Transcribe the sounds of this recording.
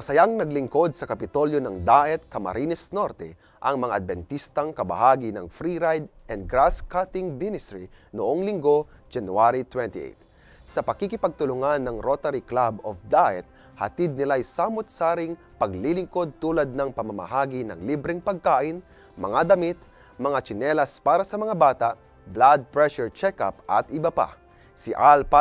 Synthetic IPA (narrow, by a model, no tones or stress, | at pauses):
mɐsɐjaŋnɐɡlɪŋko̞d̪̚sɐkɐpɪt̪o̞ljonɐŋd̪aːʔɛt̪̚kɐmɐ̰ɾʔiːnɛsnoɾt̪ɛ | ʔɐŋmɐŋa̰ʔɐd̪̚bɛnt̪ist̪ɐŋkɐbɐ̰haːɡinɐ̰ŋfɾiɾajd̪ʔɛnd̪̚ɡɾaskat̪ɪŋmɪnɪst̪ɹinoʔoŋlɪŋɡo̞ | d͡ʒɐnuaɾit̪wɛnt̪iʔḛjt̪̚ | sɐpɐkikɪpɐɡ̚t̪ʊlʊŋanːɐŋɾot̪ɐɾiklabofd̪aʔɛt̪̚ | hɐ̰t̪ɪd̪̚nɪlajsaːmot̪̚saːɾɪŋ | pɐɡlilɪŋkod̪̚t̪uːlɐd̪̚nɐŋpɐmɐmɐ̰haːɡinɐ̰ŋlibɾɪŋpɐɡ̚kaːʔɪn | mɐ̰ŋad̪ɐmit̪ | mɐŋat͡ʃɪnɛlɐspaːɾɐsɐmɐŋabaːt̪aʔ | blad̪̚pɹɛʃɛɹt͡ʃɛka̰pʔɐ̰t̪ɪbɐpa̰ | sɪʔalpa